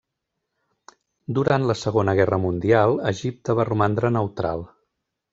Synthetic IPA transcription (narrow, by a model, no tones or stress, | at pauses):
d̪uɾant̪ləsəɣonəɣ̞ɛrəmund̪ialˠəʒip̚t̪əβ̞arumand̪ɾənəwt̪ɾa̰lˠ